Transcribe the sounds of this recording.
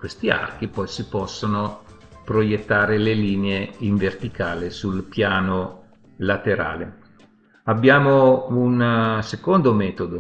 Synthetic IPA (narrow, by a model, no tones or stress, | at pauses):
kwest̪ia̰rk̟ipɔjsipɔsːonopɾojet̪ːaːɾeleliːneeiɱvert̪ikaːlesulpjaːno | lat̪eɾa̰ːle | abːjaːmounsekond̪omɛːt̪od̪o